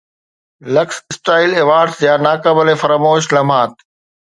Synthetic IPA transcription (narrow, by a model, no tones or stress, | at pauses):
lɐkssʈaːɪleːʋaːɾɖsjaːnaːkəbəlefɐɾaːmoːʃlɐm̤aːt̪̚